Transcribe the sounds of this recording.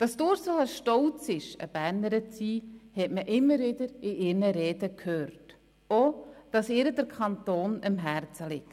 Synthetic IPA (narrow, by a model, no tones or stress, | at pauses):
d̥ɑsd̥ʊːɾsoəʃtɔlt͡sɪʃə̰b̥æɾnəɾət͡siːhɛtməʔɪmːəɾvɪdəɾɪʔɪɾnəɾɛːdəkʰhøːɾt | od̥ɑsɪːɾədəɾkʰɑntoːnɪmɦæɾt͡səlɪkt